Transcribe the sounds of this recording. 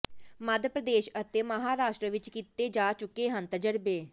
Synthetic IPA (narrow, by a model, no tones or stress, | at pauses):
məd̪pɾəd̪eːʃət̪eːməɦaːɾaːʃʈɾəʋɪt͡ʃkiːt̪eːd͡ʒaːt͡ʃʊkːeːɦənt̪əd͡ʒəɾbeː